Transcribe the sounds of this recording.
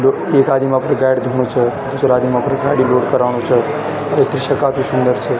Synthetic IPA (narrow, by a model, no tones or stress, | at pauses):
lo | ekad̪imãpəɾɡajɖd̪ʱuɳ̃ot͡ʃʰəd̪usəɾad̪imãpəɾɡaɪɽiloɽkəɾaɽ̃ot͡ʃʰə | et̪ɾiʃəkapisund̪əɾt͡ʃʰe